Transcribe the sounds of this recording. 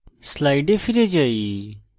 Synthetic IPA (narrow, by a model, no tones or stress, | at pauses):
slaːiɖefʰɪɾed͡ʒaːi